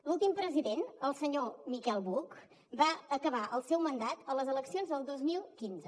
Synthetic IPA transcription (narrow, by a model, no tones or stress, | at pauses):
lulˠt̪impɾəziðenəlˠsəɲomikɛlˠβuk | baəkəβaʔəlˠsɛwmənd̪at̪ələzələksionzðəlˠd̪ozmilˠkinzə